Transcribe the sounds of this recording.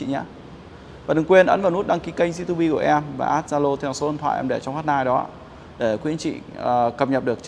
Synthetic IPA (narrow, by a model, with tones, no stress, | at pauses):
ḭ˧˨ɲaː˧˦ | vaː˨˩ɗɨ˨˧˦ŋkwe˧ənʔə˨˦nva˨˩nu˦˥t̚ɗaː˧ŋki˨˦kə˧jŋzḭ˧˥t̪u˧ɓi˧ku˧˩əʔɛ˧mva̰ː˨˩ʔaː˦˥t̚zaː˧lo˧t̪ʰɛ˧wso˨˦ə˧nt̪ʰwa̰ː˧˨ʔɛ̰˧mɗe˧˩t͡ɕɔ˧wŋ͡mfa˦˥t̚naː˧jɗɔ˨˦ | ɗe˧˩kwḭ˨˧˥ənt͡ɕḭ˧˨˩kə˨˩p̚ɲə˨˩p̚ɗɨ˨˩ək̚